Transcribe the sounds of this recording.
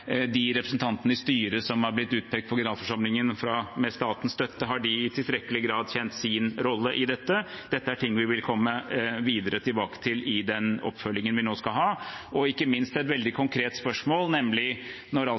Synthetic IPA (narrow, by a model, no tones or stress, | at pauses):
d̪ɪɾɛpɾəsn̩t̪ɑnt̪ənəɪst̪yːɾəsɔmhɑɾblɪt̪ːʉːt̪̚pʰɛk̚t̪̚pʰɔɡɪnɑːd̪fɔʂɑmlɪŋənfɾɑmɛst̪ɑːt̪ən̩st̪œt̪ːəɦɑɖɪɪt̪ʰɪlst̪ɾɛkːəlɪɡɾɑːd̪çɛnt̪sɪnɾɔlːəʔɪd̪ɛt̪ːəd̪ɛt̪ːəæʈʰɪŋːʋɪʋɪlkʰɔmːəʋiːd̪əɾət̪ʰɪlbɑːkə̥t̪ʰɪlɪd̪ɛnɔ̰pːfœlːɪŋənʋɪnoːskɑlɦɑːɔɪkːəmɪnst̪ɛt̪ʋɛld̪ɪkʰʊŋkʰɾeːt̪spœʂmoːlnɛmlɪ | nɔɾɑ